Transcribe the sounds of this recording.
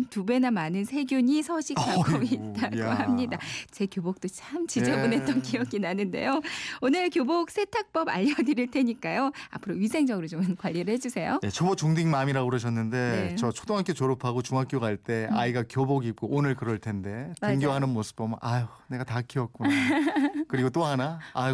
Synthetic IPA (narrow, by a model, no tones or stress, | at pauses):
ntube̞namanɯnsʰe̞ɡjuɲisʰʌɕʰikk͈aɡoit̚t͈aɡɦamɲidat͡ɕe̞kjobok̚t͈ot͡ɕʰamt͡ɕid͡ʑebone̞tt͈ʌnkijʌɡinanɯnde̞̰joonɯɭkjobok̚s͈e̞tʰak̚p͈ʌba̰ʎːʌdɯɾiɭtʰe̞ɲik͈ajoa̰pʰɯɾoɥisʰeŋd͡ʑʌɡɯɾot͡ɕomkwaʎːiɾɯɭhe̞d͡ʑusʰe̞jonet͡ɕʰobot͡ɕuŋdiŋmamiɾaɡuɾʌɕ̬ʰʌnːɯnde̞t͡ɕʌt͡ɕʰo̥doŋɦak͈et͡ɕoɾopʰaɡot͡ɕuŋɦak͈joɡaaɭt͈e̞a̰iɡakjoboɡik͈oʔonɯɭkɯɾʌɭtʰe̞nde̞oŋɡjoɦanɯnmosʰɯ̥bʌmɯnʔajone̞ɡatakʰiʌk̚k͈unakɯɾiɡot͈oɦanaː